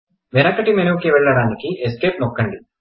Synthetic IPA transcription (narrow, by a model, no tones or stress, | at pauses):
ʋenɐkɐʈimenɐkiʋɛɭːɐɽaːnikieskeːp̚nokːɐɳɖi